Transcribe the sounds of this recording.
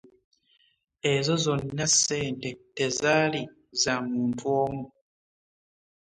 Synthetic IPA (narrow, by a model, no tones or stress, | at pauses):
e̞zo̞zo̞nːaseːntete̞zaːli | zamuːntʰwoːmu